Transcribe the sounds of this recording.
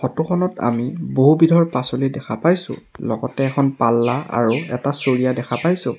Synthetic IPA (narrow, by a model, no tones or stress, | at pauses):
xɔtuxʰɔnɔta̰miboɦubidʱɔɹpasolidɛkʰapajsʊ̰̃lɔ̰ɡɔtɛːkʰɔnpalːaa̰ɹuɛtasoɹijadɛkʰapajsʊ̃